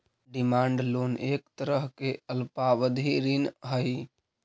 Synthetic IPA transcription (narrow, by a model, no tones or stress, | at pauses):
ɖimaɳɖlonekt̪əɾəɦkeəlpaʋəd̪ʱiɾinɦəj